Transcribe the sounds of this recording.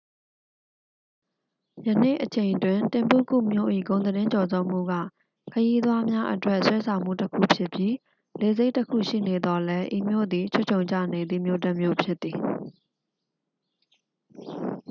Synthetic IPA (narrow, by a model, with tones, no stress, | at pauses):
jə˨nḛ˦˨ʔət͡ɕʰẽ˨ɪ̃ntwɪ̃˨ntɪ̃˨mpṵ˦˨kṵ˦˨mjo̰˦˨ʔḭ˦˨ɡõ˨ʊ̃nəɾɪ̃˦ɲt͡ɕɔ˨zo˦˨m̥ṵ˦˨ɡä̰˦˨ | kʰəji˦d̪wa˦mja˦ʔə̰twɛ˦ʔswɛ˦sʰã˨ʊ̃m̥ṵ˦˨təkʰṵ˦˨pʰjɪ˦˨pji˦ | le˨ze˦ɪtːəkʰṵ˦˨ʃḭ˦˨ne˨d̪ɔ˨lɛ˦ʔḭ˨mjo̰˦˨d̪ði˨t͡ɕʰo˦˨t͡ɕʰõ˨ʊ̃ɲt͡ɕä̰˦˨ne˨d̪ḭ˦˨mjo˦˨tɛ˦ʔmjo̰˦˨pʰjɪ˦t̪ːi˨